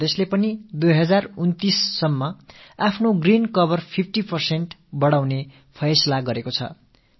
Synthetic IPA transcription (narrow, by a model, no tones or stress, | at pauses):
d̪eslepʌnid̪ujɦʌd͡zarunt̪isːʌmːʌapʰnoɡrinkʌbʌrpʰip̚ʰʈipʌrseɳʈbʌɽawne | pʰʌjsʌlaɡʌɾekot͡sʰʌ̰